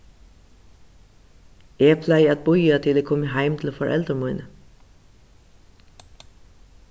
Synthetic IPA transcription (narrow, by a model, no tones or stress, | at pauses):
ɛpʰlæɪæt̪̚bʊjat̪ʰɪlɛːkʰɔməɦæɪmt̪ʰɪl̩fɔɹʔɛ̰ld̪əmuɪnə